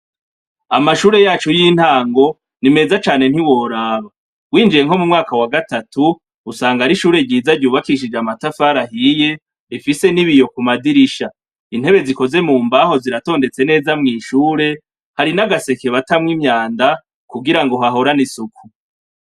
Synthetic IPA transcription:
amaʃuːɾe̞jaːt͡ʃujiːn̥haːŋɡo̞ | nime̞ːzat͡ʃaːne̞n̥hiwo̞ɾaːβa | wiːnd͡ʒije̞ŋho̞mumŋaːkawaɡatatuː | saːŋɡaɾiʃuːɾe̞ɟiːzaɾɟuːβakiʃ̬id͡ʒamatafaɾaɦije̞ | ɾifise̞niβijo̞kumadiɾiʃa | in̥he̞βe̞ziko̞ze̞muːmbaɦo̞ziɾato̞ːnde̞t͡se̞ne̞ːzamŋiːʃuːɾe̞ | haɾinaɡase̞ke̞βatamŋimɲaːnda | kuɡiɾaŋɡo̞ɦaɦo̞ɾanisukʰu

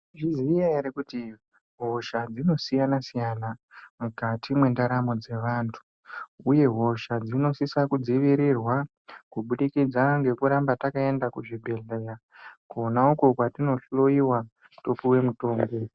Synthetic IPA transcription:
ʐizijaiɾekuti | ɦo̞ʃad͡zino̞sijanasijanamukatʰimwe̞ndaɾamo̞d͡ze̞ʋaːntʰu̥ | uje̞ɦo̞ʃad͡zino̞sisakud͡ziʋiɾirwa | kuɓuɗikid͡zaŋɡe̞kuɾambatakae̞ndakuʐibʱe̞ɮera | konauko̞kwatino̞ɬo̞iwa | topiwe̞muto̞ːmɡo̞

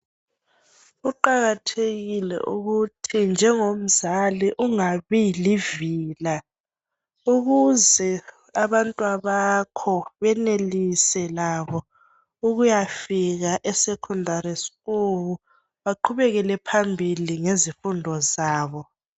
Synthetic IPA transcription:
uǃaɣatʰeɣilɛ̰ʔuɣutʰind͡ʒʱɛŋom̩zaliʔuŋaβiliviːla | uɣuzɛ | aβantʼwaβakʰɔβɛnelisɛlaβɔ | uɣujafiɣaʔɛsɛkʰundʱaɾisi̥ɣuβu | βaǃʰuβɛɣɛlɛpʰambʱiliŋezifundʱɔzaːβɔ

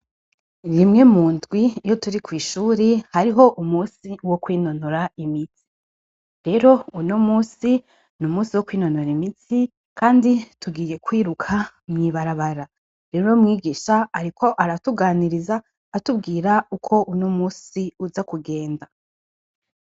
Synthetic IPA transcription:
ɾimŋe̞muːndɡwijo̞tuɾikwiːʃuːɾehaɾiɦo̞ʔumuːsiwo̞kwiːno̞noɾaimiti̥ | ɾe̞ɾo̞unomuːsi | numuːsiwo̞kwiːno̞noɾimiti | kʰaːndituɡiːje̞kwiːɾukʰa | mŋiβaɾaβaɾa | ɾeɾuomŋiːɡiʃaaɾikʰo̞ʔaɾatuɡaːniɾizaː | tubɡiːɾaukʰo̞ʔunomuːsiuzakuɡe̞ːnda

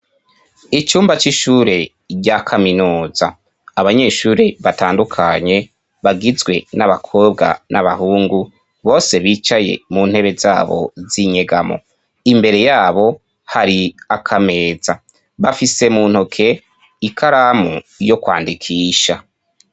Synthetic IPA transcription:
it͡ʃuːmbat͡ʃiʃuːɾe̞ | ɟakʰaminuːz̥aː | βaɲe̞ːʃuːɾiβataːndukʰaɲe̞ | βaɡizɡwe̞naβakʰo̞ːbɡa̰naβahuːŋɡu | βo̞ːse̞βiːt͡ʃaje̞̰muːn̥he̞βe̞zaːβo̞̰ziɲe̞ɡamo̞̰ | imbe̞ɾe̞jaːβo̞ | haɾiakʰame̞ːza | βafise̞muːn̥hokʰe̞ | ikʰaɾaːmujo̞kwa̰ːndikʰiːʃa

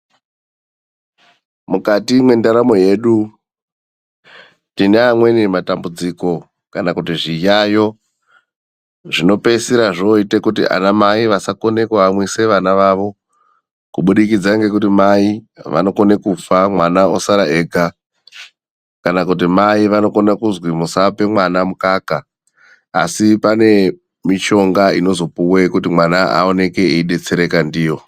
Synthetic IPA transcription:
mukatimwe̞ndaɾamo̞je̞ɗu | tineamwe̞nimatambud͡ziko̞ | kanakutiʐijajo̞ | ʐino̞pe̞siɾaʐoitekutḭʔa̰namaiʋasakone̞kweamwise̞ʋanaʋaʋo̞ | kuɓuɗikid͡zaŋɡe̞kutimaiʋa̰no̞ko̞ne̞kufamwanaosaɾaeɡʱa | kanakutimaiʋano̞ko̞nakuzwimusape̞mwanamukaːka̰ː | sipane̞ | miʃo̞ŋɡaino̞zo̞puwekutimwanaa̰o̞ne̞ke̞eiɗe̞t͡se̞ɾe̞kandiːjo̞

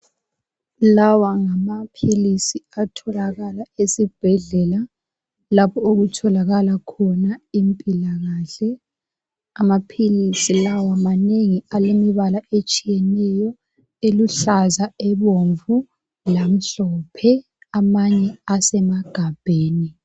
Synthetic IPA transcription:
lawaŋamapʰilisiatʰɔlaɣalaesib̥ʱɛɮɛla | lapʰɔoɣutʰɔlaɣalakʰɔnaimpʼilaɣaːɬɛ | amapʰilisilawamaneŋialemiβalaʔet͡ʃʼijɛnɛjɔ | eluɬazaɛβoɱvu | lam̩ɬɔpʰɛ | amaɲɛasɛmaɡ̥ʱab̥ʱeːni

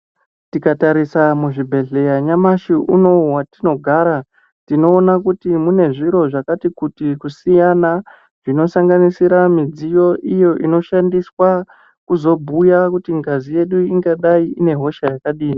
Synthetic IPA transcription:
tikataɾisamuʐibʱe̞ɮe̞jaɲamaʃiʔuno̞ɦwatino̞ɡʱaːɾa | tino̞ːnakutimune̞ʐiɾo̞ʐakatikutikusijana | ʐino̞saŋɡanisiɾamid͡zijo̞ʔijo̞ʔino̞ʃandiswa | kuzo̞bʱujakutiŋɡazije̞ɗuiŋɡaɗaiine̞ɦo̞ʃajakaɗiːni

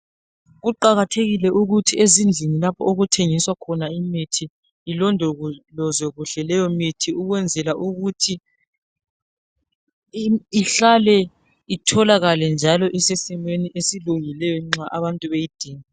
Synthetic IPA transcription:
ɣuǃaɣatʰeɣilɛʔuɣutʰiezind͡ɮʱinilapʰɔoɣutʰeŋiswakʰɔnaimitʰiː | lɔndʱɔɣulɔzwɛɣuɬɛlɛjɔmitʰiuɣwɛnd͡zʱɛlaʔuɣutʰi | iɬalɛ | itʰɔlaɣalɛnd͡ʒʱalɔʔisesimweniʔesilujilɛjɔŋ͡ǁaʔaβantʼuβejid̥ʱiːŋa

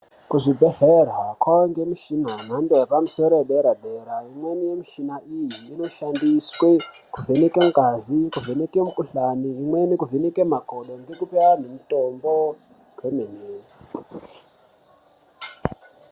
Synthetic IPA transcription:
kuʐibʱeɦerakwaŋɡemiʃinan̤andejapamusoɾoeɗeɾadʱeɾaimwenijemiʃinaʔijiːno̞ʃandiswe | kuvenekemkazikuvenekemukuɬaniɦimwenikuvenekemaɡʱoɗoŋɡekupeanemitombo | kʰemeneː

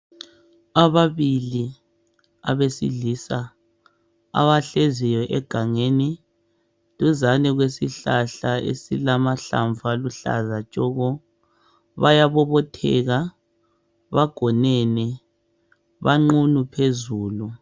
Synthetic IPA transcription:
aβaβili | aβesḭɮiːsa | a̰βaɬezijɔʔɛɡ̥ʱaŋeni | tʼuzanɛɣwesiɬaɬaḛsḭlamaɬa̰ɱvʱaluɬa̰zat͡ʃʼɔɣɔ | βajaβɔβɔtʰɛ̰ɣa | βaɡ̥ʱɔnɛnɛ | βaŋ͡ǃunupʰezuːlu

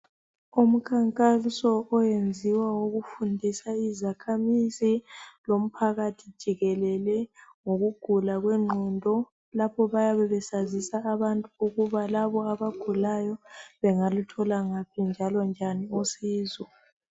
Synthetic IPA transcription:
um̩kʰaŋkʼasɔʔɔjend͡zʱiwawoɣufundʱisaizakʰamizilom̩pʰaɣatʰid̥ʒ̥ʱiɣɛlɛlɛŋoɣuɡ̥ʱulaɣwɛŋ͡ǃʱɔndʱɔ | lapʰɔβajaβɛβɛsazisaːβantʼuuɣuβalaβɔaβaɡ̥ʱulajɔβɛŋalutʰɔlaŋapʰind͡ʒʱalɔnd͡ʒʱaniosiːzɔ

